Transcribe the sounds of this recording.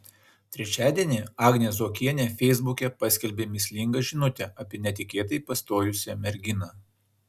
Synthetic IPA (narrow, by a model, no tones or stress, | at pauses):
t̪ʲɾʲɛt͡ʃʲæːd̪ʲiɛnʲeɑːɡnʲeːsoːkʲiɛnʲeːfʲɛɪzbʊkʲɛpɑsʲkʲɛlʲbʲeːmʲɪsʲlʲɪŋɡɐʒʲɪnʊt̪ʲɛɐpʲiɛnʲɛt̪ʲɪkʲeːt̪ɐɪpɐst̪oːjʊsʲɛmʲɛɾʲɡʲɪnɑː